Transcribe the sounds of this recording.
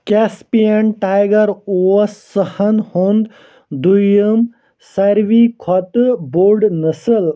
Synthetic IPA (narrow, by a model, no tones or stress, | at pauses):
kespijeɳʈajɡɐɾoɐsːəhɐnhoːnd̪ | d̪ujəm | sɐɾʋikʰɔt̪boːɾɖnɐsəl